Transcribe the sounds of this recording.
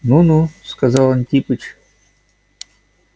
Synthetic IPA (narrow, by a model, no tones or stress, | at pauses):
nunuskazɑlˠant̪ʲipɨt͡ɕ